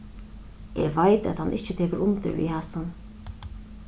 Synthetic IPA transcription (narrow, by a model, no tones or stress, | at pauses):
ɛ̰ʋajt̪æ̰t̪hanʔɪht͡ʃɪt̪ʰeːkəɾʊmt̪ɪ̰ɾʋḭhaːsʊn